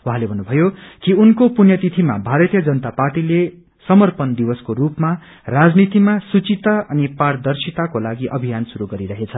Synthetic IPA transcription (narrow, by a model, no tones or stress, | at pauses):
wuɦãlebʱʌnːubʱʌjokiunkopunjʌt̪it̪ʰima̰bʱaɾʌt̪ijʌd͡zʌnʌt̪aparʈile | sʌmʌrpʌnd̪iwʌskoɾupma | rad͡znit̪imasut͡sit̪aʌnipard̪ʌrsit̪akolaɡiʔʌbʱijansuɾuɡʌɾiɾʌɦet͡sʰʌ